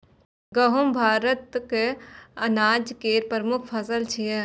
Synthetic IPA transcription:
ɡəɦumbʱaːɾət̪keɐnaːd͡ʒkeːɾpəɾmʊkʰpʰɐsəlt͡ʃʰije

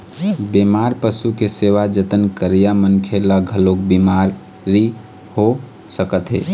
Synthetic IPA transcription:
bemaɾpəsukeseʋad͡ʒət̪ənkəɾijamənkʰelaɡʱəlokbimaɾ | ɾi | ho | səkət̪ɦḛː

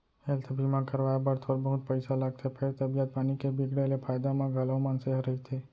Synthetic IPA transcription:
elt̪ʰəbʱimãkəɾʋajbəɾt̪ʰoɾbəɦʊt̪̚pəɪsalaɡ̚t̪ʰepʰeɾt̪əbijət̪̚paːnikebɪɡɽelepʰaːjd̪amãɡʱələmãnseɦɾəɦit̪ʰe

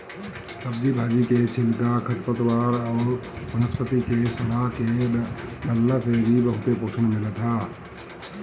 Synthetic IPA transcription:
səbd͡ʒibʱaːd͡ʒiket͡ʃʰɪlkakʰəʈ̪pət̪waːɾɔːɾmənəspət̪ikesɐlaɦke | ləlːasebʱibəɦʊt̪epoːt͡ʃʰənmɪlət̪ʰaː

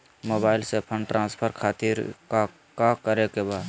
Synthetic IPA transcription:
moːbaːɪlsepʰəɳɖʈɾʔãːnspʰəɾkʰaːt̪ɪɾa | kakəɾekebaːd̪

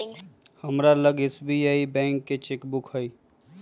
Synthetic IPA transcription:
həmɾaləɡesbiaːibɛ̃ːŋkːet͡ʃekbʊkɦəi

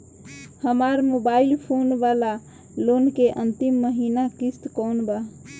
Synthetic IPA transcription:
həmaɾmobailpʰonʋala | lonkeʔənt̪imːəɦinakist̪kɔwnba

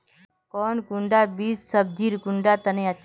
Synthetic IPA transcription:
kɔːnkʊɳɖaːbiːssəb̚d͡ʒiːɾkʊɳɖaːt̪ənẽːətːʃʰ

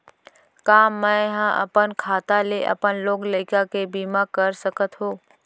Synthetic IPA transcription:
kaːmːə̃ɦãʔɐ̰pənkʰaːt̪aleʔɐ̰pənloːɡlekakebiːmakəɾsəkət̪ɦõː

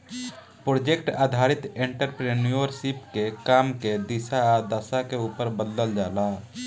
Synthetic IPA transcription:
pɾoːd͡ʒekʈa̰ːd̪ʱaːɾɪt̪ẽɳʈəɾpɾenioɾsipkekaːmked̪ɪsad̪aːsakeuːpəɾbəd̪ləld͡ʒaːla

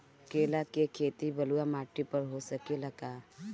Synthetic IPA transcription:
keːlakekʰeːt̪ibəluamaːʈːipəɾɦosəkeləɡa

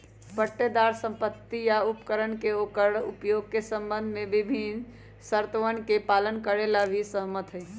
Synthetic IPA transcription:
pəʈːed̪aɾsə̃mpət̪ːijaupkəɾənkeokəɾupjoɡ̚kesəmbənd̪ʱmebibʱin | səɾt̪əʋənkepalənkəɾelabʱisəɦmət̪ɦəj

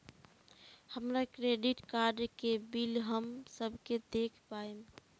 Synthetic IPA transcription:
həmɾakɾeɖiʈkaɾɖkebilɦəmsəbʱked̪ekʰpaem

